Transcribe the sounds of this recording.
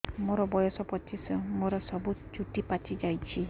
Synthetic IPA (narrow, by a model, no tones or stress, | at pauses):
moɾɔbɔjɔsɔpɔt͡ʃisɔmoɾɔsɔbut͡ʃuʈipat͡ʃid͡ʒajt͡ʃʰi